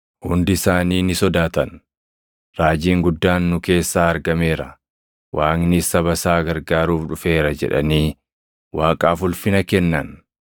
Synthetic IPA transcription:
hʊnd̪ɪsaːniːnɪsɔd̪aːt̪ɐn | ɾaːd͡ʒiːŋɡʊd̪ːaːnːʊke̞ːsːaːɐɾɡɐme̞ːɾɐ̰ | wʔaːŋnɪsɐβɐsaːɡɐɾɡaːɾuːfᶑʊfe̞ːɾɐd͡ʒɛ̰ᶑɐ̰niː | waːkʼaːfʊlfɪnɐkɛnːɐn

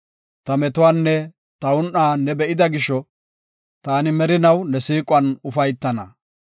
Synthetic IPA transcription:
t̪ɐmɛt̪ʊwaːnːɛ | t̪ɐʊnʔaːnɛbɛʔɪd̪ɐɡɪʃːɔ | t̪aːnɪmɛɾɪnɐwnɛsiːkʼʊɐnʊfɐjt̪ːɐnɐ

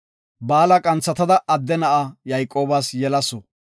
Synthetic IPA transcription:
baːlɐkʼɐnt͡sːɐt̪ɐd̪ɐɐd̪ːɛnɐʔajɐjkʼːo̞ːbasjɛlɐsɔ

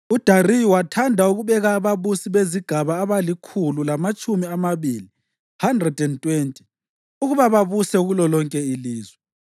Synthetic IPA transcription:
ud̥ʱarijwatʰandʱauɣuβɛɣaːβaβusiβeziɡ̥ʱaβaːβalikʰululamat͡ʃʼumiamaβili | handrɛdʱɛntʼwentʼi̥ | uɣuβaβaβusɛɣulɔlɔŋkʼɛiliːzwɛ

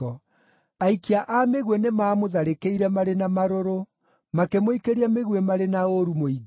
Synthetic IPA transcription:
ɔ | aikiaʔameɣwɛnemaːmoðaɾekeiɾɛmaɾenamaɾoɾo | makemoikeɾiameɣwɛmaɾenaoɾumoiɡ

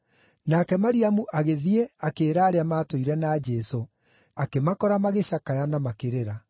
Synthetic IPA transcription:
nakɛmaɾiamuʔaɣeðieakeːɾaːɾeamaːtoiɾɛnaːd͡ʒɛso | akemakɔɾamaɣeɕakajanamakeɾeɾa

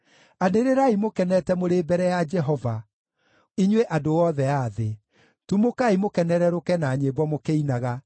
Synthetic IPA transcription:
aneɾeɾaimokɛnɛtɛmoɾeːbɛɾɛjad͡ʒɛɦɔva | iɲweʔadowɔðɛaðe | tumokaimokɛnɛɾɛɾokɛnaɲebwɔmokeinaɣa

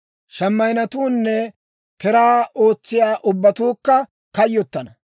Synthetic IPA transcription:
ʃɐmːɐjnɐt̪uːnːɛ | kɛɾaːʔo̞ːt͡sːɪjaːʔʊbːɐt̪uːkːɐ | kɐjːɔt̪ːɐnɐ

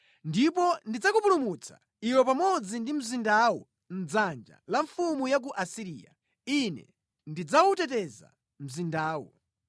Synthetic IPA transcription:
ndipɔndid͡zakupulumut͡sʰḁ̰ | iwɛpamɔd͡zindim̩zindawɔ | n̩d͡zand͡ʒa̰laɱfumujak̬uʔasiɾiːja̰ | inɛ̰ | ndid͡zawutɛtɛza̰ | m̩zindaːwɔ̰

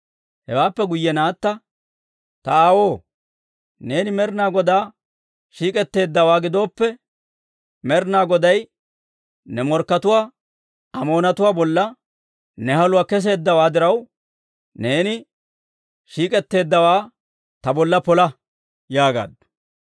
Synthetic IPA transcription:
hɛwaːpːɛɡʊjːɛnaːt̪ːɐ | t̪ɐaːwo̞ː | ne̞ːnɪmɛɾnaːɡɔd̪aː | ʃiːkʼɛt̪ːe̞ːd̪ːɐwaːɡɪd̪o̞ːpːɛ | mɛɾnaːɡɔd̪ɐj | nɛmɔɾkːɐt̪ʊwaː | ɐmo̞ːnɐt̪ʊwaːbɔlːɐ | nɛhɐlʊwaːkɛs̬e̞ːd̪ːɐwaːd̪ɪɾɐw | ne̞ːnɪ | ʃiːkʼɛt̪ːe̞ːd̪ːɐwaː | t̪ɐbɔlːɐpɔlɐ | jaːɡa̰ːd̪ːɔ̥

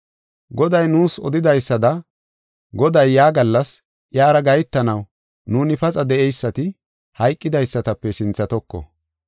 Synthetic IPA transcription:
ɡɔd̪ɐjnuːsɔd̪ɪd̪ɐjsːɐd̪ɐ | ɡɔd̪ɐjːaːɡɐlːɐs | ʔjaːɾɐɡɐjt̪ːɐnɐw | nuːnɪpɐt͡sʼɐd̪ɛʔɛjsːɐt̪ɪ | hɐjkʼːɪd̪ɐjsːɐt̪ɐpːɛsɪnt͡sːɐt̪ɔkːɔ̰

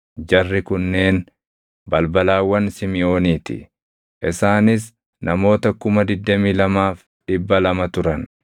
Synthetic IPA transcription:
d͡ʒɐrːɪkʊnːe̞ːn | bɐlbɐlaːwːɐnsɪmɪʔo̞ːniːt̪ɪ̰ | ʔɪsaːnɪs | nɐmo̞ːt̪ɐkʊmɐd̪ɪd̪ːɐmiːlɐmaːf | ᶑɪbːɐlɐmɐt̪ʊɾɐn

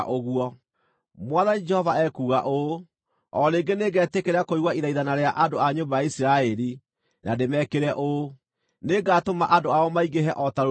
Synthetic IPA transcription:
ʔoɣwɔ | mwaðanid͡ʒɛhɔvaɛkuːɣaʔo | ɔɾeːŋɡeneɡɛːtekeɾakoiɣwaiðaiðanaɾeaʔandoaɲombajaisiɾaɛɾi | nademɛkeɾɛʔo | neɡaːtomaʔandoaɔmaiɣeɦɛʔɔtaɾ

